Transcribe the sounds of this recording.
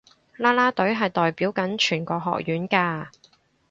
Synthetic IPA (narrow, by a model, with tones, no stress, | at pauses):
laː˥laː˥t̪ɵ˨˥ɥɦɐ˨jt̪ɔː˨jpiː˨˥wkɐ˨˥nt͡ʃʰyː˨˩nkɔː˧ɦɔ̰ː˨k̚jyː˨˥nkaː˧